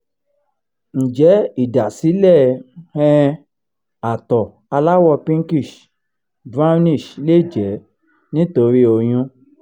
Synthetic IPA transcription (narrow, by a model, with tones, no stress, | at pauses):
n̩˨d͡ʒɛ˨˦i˦˨da˨si˨˦lɛ˦˨hɛ̃˦˧ | a˨tɔ˨ | a˧la˦wɔ˧pĩ˦ŋ˦ki˦˨ʃ | bɾa˦nĩ˦˨ʃle˦˨d͡ʒɛ˨˦ | nĩ˦to˧ɾi˦o˧j̃ũ˧